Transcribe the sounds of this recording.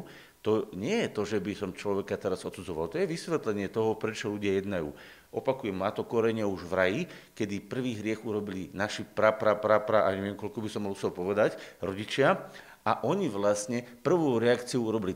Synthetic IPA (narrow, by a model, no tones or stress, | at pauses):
t̪ɔɲɪɛjɛt̪ɔʒɛbisɔmt͡ʃlɔʋɛkat̪ɛɾazɔt̪sud͡zɔʋa̰lt̪ɔjɛʋisʋɛt̪lɛɲɪɛt̪ɔɦɔpɾɛt͡ʃɔluɟɪajɛd̪najṵː | ʔɔpakujɛmnaːt̪ɔkɔɾɛɲɪauʒʋɾajikɛd̪ipr̩ʋiːɦɾɪɛxuɾɔbilinaʃipɾapɾapɾapɾaʔa̰ɲɛʋɪɛmkɔlkɔbisɔmːɔlusɛlpɔʋɛd̪acɾɔɟit͡ʃɪa | aʔɔɲiʋlasɲɛpr̩ʋɔʊɾɛakt͡siɔuɾɔbili